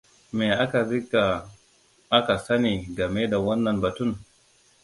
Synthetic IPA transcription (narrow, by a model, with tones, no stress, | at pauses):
meː˨ʔa˦ka˨ɾɪ˦ka˨ | ʔa˦ka˨sɐ˦ni˨ɡɐ˨me˦da˨wɐ˦nːɐ˨nbɐ˨tʊ˦n